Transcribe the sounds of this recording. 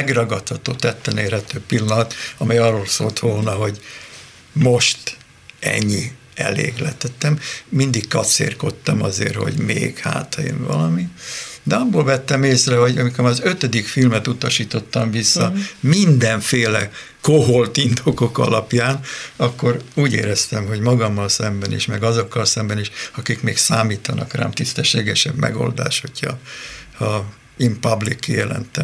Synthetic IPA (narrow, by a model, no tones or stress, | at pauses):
ɛɡrɒɡɒt̪hɒt̪oːt̪ɛt̪ːɛneːrhɛt̪øːpilːɒnɒt̪ɒmɛjɒrːoːlso̰ːlt̪ʋolnɒɦo̞ɟ | mo̞ʃt̪ | ɛ̰ɲːi | ɛ̰lḛːɡlɛ̰t̪ɛt̪ːɛmːind̪ikkɒt̪sḛːrko̞t̪ːɒmɒzḛːrho̞̰ɟmḛːɡha̰ːt̪ʰɒjḭnvɒ̰lɒmid̪ɛɒbːoːlvɛt̪ːɛmeːsrɛho̞ɟɒmikoɾmɒzøt̪ød̪ikfilmɛt̪ut̪ɒʃiːt̪o̞t̪ːɒɱvisːɒmind̪ɛɱfeːlɛ | koɦolt̪ind̪oko̞kɒ̰lɒpjaːnɒkːo̞ɾuːɟḛːɾɛst̪ɛmɦo̞ɟmɒɡɒmːɒlsɛmbɛnḭːʃmɛɡɒzo̞kːɒlsɛmbɛniːʃɒkikmeːksaːmiːt̪ɒnɒkra̰ːmt̪ist̪ɛʃːeːɡɛʃɛbmʔɛ̰ɡo̞̰ld̪a̰ːʃho̞cʰhɒ̰hɒ | eːmpɒblikːijɛlɛ̰nt̪ɛm